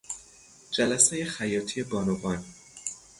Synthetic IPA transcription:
d͡ʒælæseje̞xæjɒːt̪ʰije̞bɒːnobɒːn

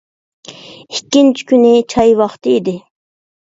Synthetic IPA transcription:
ikʲːint͡ʃʰi̥kʲʰynɪt͡ʃʰɑjwɑχt̪ɨid̪ɪ

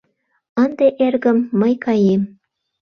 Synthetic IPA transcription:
ə̆nd̪eʔerɣə̆mːɤjkɑjem

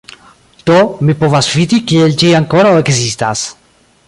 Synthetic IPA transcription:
t̪omipovasfid̪ikield͡ʒiaŋkoɾaoeksist̪as

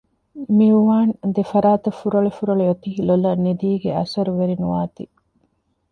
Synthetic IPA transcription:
miuʋaːnd̪efɐɾaːt̪ɐfuɾɐɭefuɾɐɭejot̪iɦilolɐnːid̪iːɡeɐ̰sɐɾuʋeɾinuʋaːt̪i

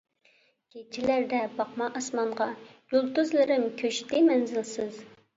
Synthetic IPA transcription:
kʲʰet͡ʃʰilæɾd̪ɛbɑqmɑʔɑsmɑɴʁɑjulˠt̪uzlˠɨɾɪmkʲʰøʃt̪ɪmɛnzɪlsɪz

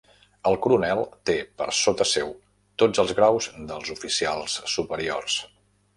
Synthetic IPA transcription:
əlˠkuɾunɛlˠt̪epə̰ɾsot̪əsɛw | t̪od͡zəlˠzɣɾawzd̪əlˠzufisia̰lˠsːupəɾio̰rs

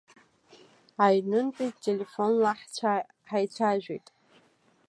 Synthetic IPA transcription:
ajnɨntʼijtʼtʼele̞fo̞nlaħt͡ɕʷʰa | ħajt͡ɕʷʰaʒᶣejtʼ

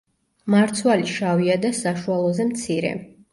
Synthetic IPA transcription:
maɾt̪sʰwaliʃaviad̪asaʃualˠɔzɛmt̪sʰiɾɛ̰

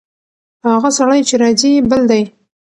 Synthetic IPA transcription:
haɣasaɽajt͡ʃeɾɑzibəld̪aj

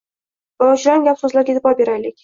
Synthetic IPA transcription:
vaʊt͡ʃɾanɡʲapsɵzlaɾɡʲed̪ɪbɒbeɾajlɪkʲ

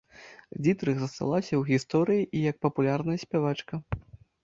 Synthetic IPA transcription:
d͡zʲit̪ɾɨɣzɐst̪a̰lˠasʲɐwɣʲist̪ɔɾɨjiʔijɐk̚pɐpulʲarnɐjɐsʲpʲavat͡ʂkɐ

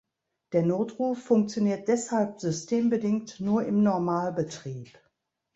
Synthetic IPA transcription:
d̥eːɐnoːtʁ̥uːfːʊŋk̚t͡sjoniːɐt̚d̥ɛshalp̚z̥ʏstʰeːmbədɪŋktnuːɐɪmnɔɐmaːlbətʁ̥iːp

